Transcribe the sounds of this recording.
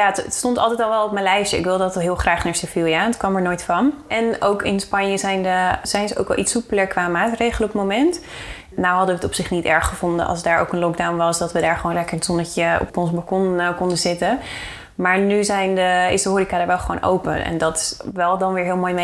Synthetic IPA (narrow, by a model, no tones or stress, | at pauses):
jaətətstɔntɑlˠtɛjtɑlˠʋɛlˠɔp̚mənlɛjʃəɪ̰kʋɪlˠdɑtəɦɪːlˠχraːχnaːɹsefilˠjanətkʋɑmɛɹnoːjtfɑnʔɛnowkɪnspɑnjəzɛjnəz̥ɛjnzəʔo̰wkʋɛ̰lˠitsupələɹkʋaːmaːtrejχələɔpətmomɛnt | nawɦɑdəʋəːtɔpsɪχnitɛ̰ɹχχəvʊndə̰ʔɑ̰lˠsdaːɹʔo̰wkənlɔk̚dawnʋɑsdɑtʋədaːɹχəʋownlɛkəɹənsɔndətəɔ̰pɔnsbɑkɔnkɔndəzɪtə | maːɹnyzɛjndəɪ̰sdəɦoːɾikaːdaːɹʋɛlˠχəʋo̰wnʔo̰wpə̰nɛ̰ndɑtɪ̥sʋɛlˠdɑnʋɪːɹɦɪːlˠmoːjme